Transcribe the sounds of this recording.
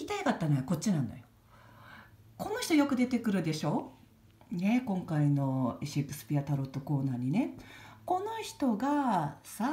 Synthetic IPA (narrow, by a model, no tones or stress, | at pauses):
it̪aikat̪ːanojoko̞t͡ɕːinãnd̪a̰jo | ko̞no̞çi̥t̪ojo̞kɯ̟d̪e̞t̪e̞kɯ̟ɾɯ̟d̪e̞ɕo̞ː | ne̞kõ̞ŋkaino̞eɕiekːɯ̟sɨ̥pʲiat̪aɾo̞t̪ːoko̞ːnaːɲ̟ineko̞no̞çi̥t̪o̞ɡasa